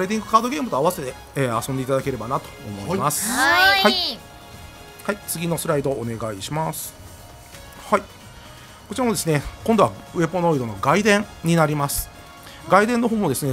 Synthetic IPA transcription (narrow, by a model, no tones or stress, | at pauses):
ɾed̪ʲĩŋɡɯ̟kaːd̪o̞ɡʲe̞ːmɯ̟t̪o̞aβase̞t̪e̞ː | asõnd̪e̞it̪ad̪ake̞ɾe̞banat̪o̥̰ːmo̞imasɨ̥hai | hait͡sɨɡʲino̞sɨɾaid̪o̞ːne̞ɡaiɕimasɨ̥ | hai | ko̞t͡ɕiɾamod̪e̞sɨne̞kõnd̪o̞βa̰ɯβe̞bono̞id̪o̞no̞ɡaid̪ẽ̞ŋɲ̟inaɾʲimasɨ̥ | ɡaid̪ẽnːo̞ɦo̞ːmod̪e̞sɨne̞